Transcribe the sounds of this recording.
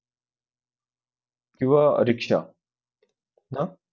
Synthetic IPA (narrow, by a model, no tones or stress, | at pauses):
kĩʋaə̰ɾikʂa̰ | na